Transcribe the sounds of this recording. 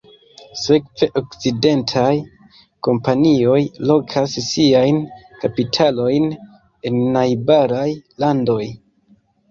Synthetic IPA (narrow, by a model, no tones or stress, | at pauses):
se̞kve̞ʔo̞kt͡side̞ntʰaj | ko̞mpanio̞jlo̞kʰasːiajnkapitʰalo̞jn | e̞nːajbaɾajlando̞j